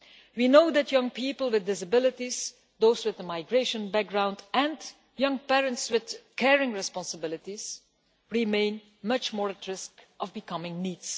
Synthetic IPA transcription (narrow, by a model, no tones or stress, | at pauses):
winoʊðætʰjʌ̃ŋpʰiːpəl̩ˠwɪðdɪsəbɪlɪtiz̥ | d̪oʊzwɪðəmaɪɡɹeɪʃə̃nbæk̚ɡɹãʊ̃ndɨ̃n | jʌ̃ŋpɛɹə̃ntswɪð̥kʰɛɹɪ̃ŋɹɛspɑ̃nsəbɪlˠɪtiz̥ | ɹimẽɪ̃n | mʌt͡ʃmɔːɹɨtʰɹɪskʔʌvbɨkʰʌmɪ̃ŋniːds